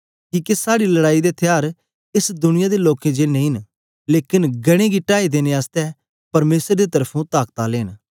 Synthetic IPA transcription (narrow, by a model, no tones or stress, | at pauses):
kiːkesaːɽilɐɽaːid̪et̪ʰɪjaːɾ | ɪsd̪ʊnɪjãd̪eloːkẽd͡ʒeːnẽĩn | leːkɪnɡɐɽ̃ẽɡiʈaːid̪eːneaːst̪ɛ | pɐɾmeːsɾd̪et̪əɾpʰũt̪aːkt̪aleːn